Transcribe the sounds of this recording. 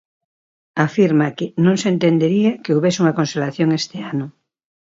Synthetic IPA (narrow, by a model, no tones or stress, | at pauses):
afiɾmakɪnõŋsent̪end̪eɾiakeuβesuŋɐkonselaθjoŋest̪eanʊ